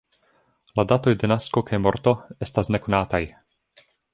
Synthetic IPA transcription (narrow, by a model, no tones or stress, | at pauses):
lad̪at̪o̞jd̪enaskokʰejmoɾt̪o̞est̪asnekonaːt̪aj